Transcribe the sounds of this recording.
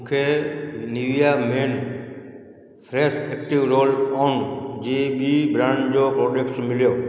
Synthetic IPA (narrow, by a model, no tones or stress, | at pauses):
mũkʰeniʋijameːn | pʰɾeseːk̚ʈiʋɾoːlɔːnd͡ʑeːbibɾãːɳɖd͡ʑoːpɾoːd͡ʒekʈsmɪljoː